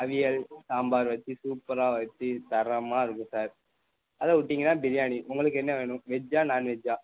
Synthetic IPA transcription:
ɐʋɪjɐlsaːmbaːɾʋɐt̪ːisuːpɐɾaːʋɐt̪ːit̪ɐɾɐmaːɪɾɯkːɯ̃saːɾ | ɐðɐʊʈːiŋɡɐnːaːbɪɾɪjaːniʔʊŋɡɐɭɯk̬ːɛnːɐʋeːɳʊ̃ʋɛd͡ʒaːnaːnʋɛd͡ʒaː

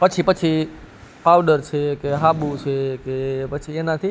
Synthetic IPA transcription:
pət͡ʃʰipət͡ʃʰi | pawɖəɾt͡ʃʰekeɦabut͡ʃʰekepət͡ʃʰienãt̪ʰi

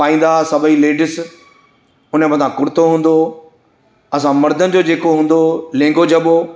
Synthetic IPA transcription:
aːĩːn̆d̪asɐbʱəileːɖɪs | ʊnəmɐ̃nt̪ʰãkʊɾɪt̪ʰoɦũːn̆d̪o | ɐs̬ãmɐɾd̪ʱənɪ̆d͡ʑoːd͡ʑeːkoɦũːn̆d̪olẽːŋɡod͡ʑɐɓo

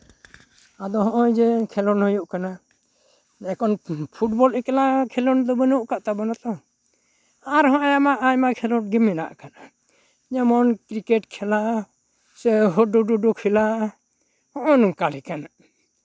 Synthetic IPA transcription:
ad̪ɔɦɔʔɔjd͡ʒɛkʰɛlɔnhɔjuʔkana | ɛkɔnpʰuʈ̚bɔlɛkɛlakʰɛlɔnd̪ɔbənuʔkaʔt̪abɔnat̪ɔ | aɾɦɔ̃ʔɔjamaʔajmakʰɛlɔnɡimːɛna̰ʔkana | ɲamɔnkɾikɛʈkʰɛla | sɛɦɔɖuɖuɖukʰila | hɔ̃ʔɔnkalɛkana

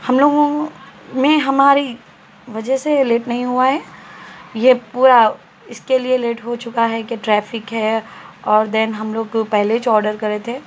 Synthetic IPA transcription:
hɐmloːɡõmẽɦɐmaːɾi | ʋɐd͡ʒəɦseleːʈnɐɦĩɦuaɦɛː | jepuːɾa | ɪskelieleːʈɦot͡ʃʊkaɦɛkeʈɾɛːfɪkɦɛɔːɾd̪ɛnɦɐmloːɡpɛɦlet͡ʃɔːɾɖəɾkɐɾet̪ʰeː

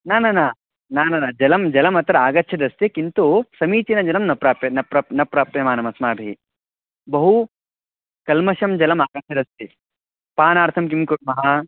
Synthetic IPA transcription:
naːnɐnaː | naːnɐnad͡ʒɐlɐmd͡ʒɐlɐmɐt̪ɾɐaːɡɐtːʃʰɐd̪ɐst̪ikint̪usɐmiːt͡ʃinɐd͡ʒɐlɐmnɐpɾaːpjɐnɐpɾɐpnɐpɾaːpjɐmaːnɐmɐsmaːbʱii | bɐɦu | kɐlmɐʃɐmd͡ʒɐlɐmaːɡɐtʃʰɐd̪ɐst̪i | paːnaːɾt̪ʰɐmk̬imkuɾmɐɦɐ

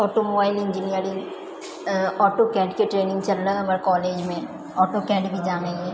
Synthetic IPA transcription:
ɔːʈomobaːɪlɪ̃ɲd͡ʒinijəɾɪ̃ŋ | ɔːʈokɛ̃ːɳʈkeʈɾeːnɪ̃ŋɡt͡ʃɐlːəɦɐməɾkɔːleːd͡ʒmẽ | ɔːʈokɛ̃ːʈbʱid͡ʒaːneɡɛː

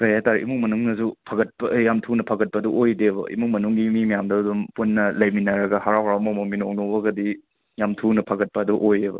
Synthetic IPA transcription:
kɐjataɾeʔḭmuk̚mɐnuŋnɐsupʰɐɡɐt̚pɐjamtʰunɐpʰɐɡɐt̚pɐduʔojdebɐ̰ʔḭmuk̚mɐnuŋɡimimɐjamdɐːdumpunːɐlɐjminɐɾɐɡɐhaɾawɦɾawmomɐminok̚nobɐɡɐdi | jamtʰunɐpʰɐɡɐt̚pɐːduʔojebɐ̰

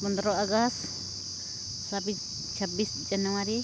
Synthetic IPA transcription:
pɔnd̪ɾɔaɡast | sabi | t͡ʃʰabisd͡ʒanawaɾi

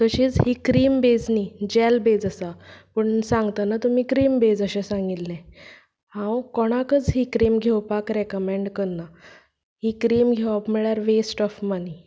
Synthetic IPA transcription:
t̪əɕiːd͡zɦiːkɾiːmbed͡znid͡ʑɛlbed͡zəsapəɳsãŋɡt̪anat̪umiːkɾiːmbed͡zəɕɛsãŋɡilːɛ̃ | hãwkɔɽ̃akət͡sɦiːkɾiːmɡʱewpakɾekəmẽɳɖkəɾna | hiːkɾiːmɡʱewapmɛɭjaɾʋesʈɔfmani

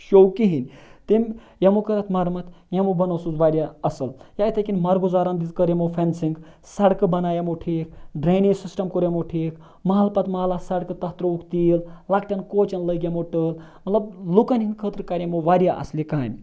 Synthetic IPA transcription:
ʃokiɦinʲt̪imʲ | jɐmokɐɾɐt̪ʰmɐɾmɐt̪ | jɐmobɐnosuzʋaːɾijaɐsɐljait̪ʰɐkʲinmɐɾɡuzaːɾɐnd̪izkəɾjemopʰensiŋɡ | sɐɽkɨbɐnaːjɐmoʈʰiːk̚ɖɾenisisʈɐmkoɾjemoʈʰiːk | mɐɦɐlpɐt̪mɐɦlasɐɽkɨt̪ɐɦt̪ɾoukʰt̪illakʈɐnkoːt͡ʃɐnləɡjɐmoʈəːl | mɐt̪lɐblukɐnɦinʲkʰət̪ɾkaɾjɐmoʋaːɾjaʔɐ̰slikaːm

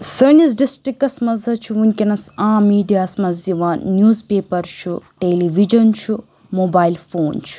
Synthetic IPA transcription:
sɐnis̬ɖisʈɾikːɐsmɐzɐt͡ʃʰuunʲkʲɐnɐsãːmiːɖijaːsmɐziʋaːnːjuːzpeːpɐɾt͡ʃʰuʈeːliʋid͡ʒɐnt͡ʃʰu | moːbaːjlfoːnt͡ʃʰu̥

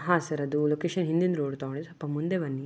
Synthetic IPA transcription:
ɦaːsɐɾɐd̪ulokeːʃɐnɦind̪ind̪ɾoːɽt̪aɐɳisɐpːɐmund̪eʋɐnːi

